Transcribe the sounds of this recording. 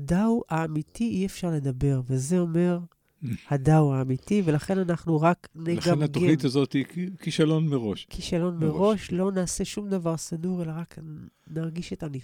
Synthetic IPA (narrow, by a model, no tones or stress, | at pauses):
adawhaːmitiiefʃaʁle̞d̪abe̞ʁvezeo̞me̞ʁ | hadawaːmitive̞laχe̞nanaχnuʁaknelɡamnaɡt̪onit̪azot̪ikiʃalo̞nmeʁo̞ʃkʰiʃalo̞nmeʁo̞ʃlo̞naːse̞ʃumd̪avaʁsaduʁe̞laʁaknaʁɡiʃetani